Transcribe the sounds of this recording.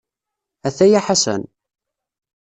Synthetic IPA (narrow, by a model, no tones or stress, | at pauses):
æθæjaħasə̰n